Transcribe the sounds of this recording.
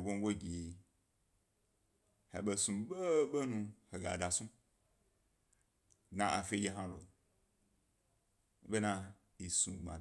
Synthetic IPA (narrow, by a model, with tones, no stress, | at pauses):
ɡʷo˦ŋ˦ɡʷo˦ɡʲi˨ | hḛ˨ɓe˨sũ˨ɓe˦ɓe˦nũ˧he˨ɡa̰˨da˨sũ˦ | nã˨ʔa˨fe˦d͡ʒe˦ɦã˦lo̰˨˦ | be˦nã˧ | i˨sũ˨ɡ͡bã̰˨